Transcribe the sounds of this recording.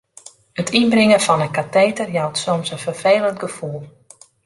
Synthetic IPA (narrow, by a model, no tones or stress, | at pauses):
ətʰinbrɪŋəfɑnəkatejtərjawtsomsənfərfeːlˠəntɡ̥əfulˠ